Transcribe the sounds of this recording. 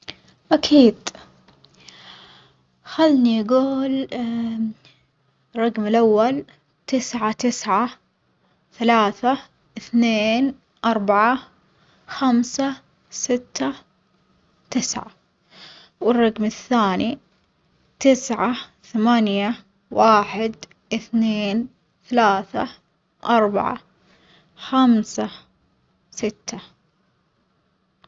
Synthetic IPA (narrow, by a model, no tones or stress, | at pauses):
ʔakʰiːd̪ | xalːnijaɡuːl | rˤːɑɡmɪlʔawːal | t̪ɪsʕat̪ɪsʕa | θalaːθa | ʔɪθneːn | ʔɑɾˤbaʕa | xamsa | sɪt̪ʰːa | t̪ɪsʕa̰ | wɪrˤːɑɡmɪθːaːni | t̪ɪsʕaθamaːnja | waːħɪd̪ | ʔɪθneːn | θalaːθa | ʔɑɾˤba̰ʕa̰ | xamsa | sɪt̪ːa